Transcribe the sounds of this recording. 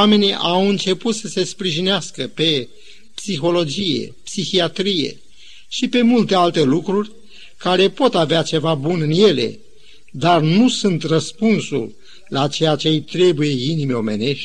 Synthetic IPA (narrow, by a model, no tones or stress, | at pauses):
ame̞niʔawɨnt͡ʃe̞put̪səse̞spɾiʒineaskəpe̞ | psixo̞lo̞d͡ʒije̞̰psixiat̪ɾije̞̰ | ʃipe̞mult̪e̞alt̪e̞lukɾurʲ | kaɾe̞po̞t̪aveat͡ʃe̞vabunɨnje̞le̞̰ | d̪arnusunt̪rəspunsṵl | lat͡ʃe̞jat͡ʃe̞jt̪ɾe̞buje̞inimeo̞me̞̰ne̞ʃt̪̚ʲ